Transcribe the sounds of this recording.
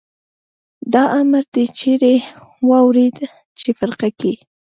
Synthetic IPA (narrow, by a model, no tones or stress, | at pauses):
d̪ɑʔaməɾd̪et͡ʃeɾe | wɑwɾed̪ | t͡ʃefaɾqaki